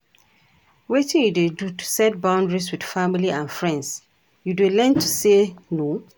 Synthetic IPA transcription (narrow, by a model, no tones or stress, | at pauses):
wetĩnjudedutʰu̥sɛt̚bãʊ̃ndɹiswid̥familiãnfɹɛ̃nds | judelɛ̃ntuseno